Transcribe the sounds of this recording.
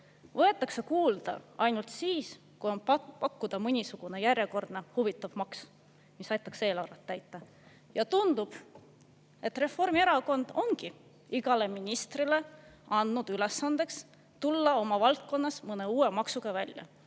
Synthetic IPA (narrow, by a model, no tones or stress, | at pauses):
vɤ̞e̞t̪ːˑɑksekuːld̪̥ɑ̰ɑ̰jnult̪siːs | kujo̞npɑkːud̪̥ɑmɤnʲisuɡ̥une̞jærʲjeko̞rd̪nehuvit̪ˑːɑvmɑks | misɑjt̪ˑːɑkse̞ːlɑwɾɑt̪ːæjt̪ˑːɑ | jɑt̪und̪ub̥ | e̞t̪ːre̞fo̞rmieɾɑko̞nd̪̥o̞ŋɡ̥i | iɡ̥ɑle̞minʲist̪rile̞ɑnd̪nud̪̥yle̞sːɑnd̪̥e̞ks | t̪ulːɑo̞mɑvɑlt̪̚ko̞nːɑsmɤne̞uːwemɑksuɡ̥ɑvælʲjɑ̰